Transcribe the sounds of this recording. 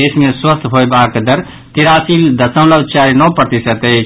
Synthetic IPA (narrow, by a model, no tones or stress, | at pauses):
eːsmeɾswəst̪ʰɦojbaːkd̪əɾ | t̪iɾaːsild̪əsə̃ʊ̃ləwt͡ʃaːɾinɔːpɾət̪isət̪e